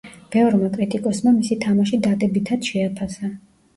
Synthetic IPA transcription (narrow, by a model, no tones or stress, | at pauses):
b̥ɛɔɾmakʼɾit̪ʼikʼɔsmamisit̪ʰamaʃid̪ad̪ɛbit̪ʰad̪ʃɛapʰasa